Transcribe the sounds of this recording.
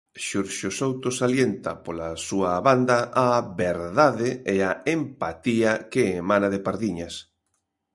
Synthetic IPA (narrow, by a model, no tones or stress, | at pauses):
ʃuɾʃosowt̪osaljent̪ɐ̰polasuɐβand̪ɐaβeɾðaðeeaempat̪iɐkeːmãnaðɪpaɾðiɲas